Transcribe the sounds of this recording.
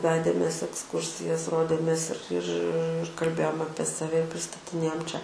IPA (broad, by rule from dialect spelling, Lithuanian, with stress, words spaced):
ˈʋʲæːdʲeːmʲeːs ɛksˈkʊrʲsʲɪjɛs ˈroːdʲeːmʲeːs ɪr ɪr kɐlʲˈbʲeːjoːm ˈɑːpʲiɛ sɐˈʋʲɛ ɪ pʲrʲɪstɐtʲɪˈnʲeːjoːm ˈt͡ʃʲɛ